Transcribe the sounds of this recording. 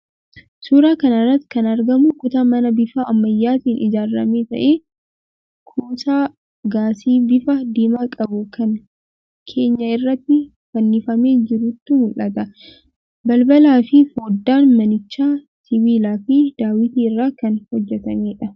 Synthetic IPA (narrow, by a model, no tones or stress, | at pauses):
suːɾaːkɐnɐrːɐt̪ːɪ̥kɐnɐɾɡɐmʊkʊt̪aːmɐnɐbɪfaːɐmːɐjːaːt̪iːnʔɪd͡ʒaːrːɐ̰meːt̪ɐ̰ʔeː | kʰuːt̪aː | ɡaːsiːbɪfɐd̪eːmaːkʼɐbʊkʰɐŋ | kʰe̞ːɲːɐɪrːɐt̪ːɪ | fɐnːɪfɐme̞ːd͡ʒɪɾuːt̪ːʊmʊlːɐt̪ɐ | bɐlbɐlaːfɪfo̞ːd̪ːaːnmɐnɪt͡ʃːaː | t̪ʰibiːlaːfɪd̪aːwɪt̪iːɪrːaːkɐnhɔd͡ʒːɛt̪ɐmeːᶑɐ